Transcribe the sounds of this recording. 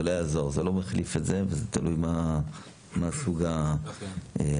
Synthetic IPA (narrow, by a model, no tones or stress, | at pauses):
elojazo̞ʁzelo̞meχlifetzevezet̪alujma | masuɡa | e